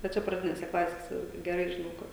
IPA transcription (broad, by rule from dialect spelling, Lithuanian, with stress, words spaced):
ʋɐ ˈt͡ʃʲɛ prɐˈdʲɪnʲeːsʲɛ ˈklˠɑːsʲeːsʲɛ ɡʲɛˈrɐɪ ʒʲɪˈnɐʊ ˈkʊr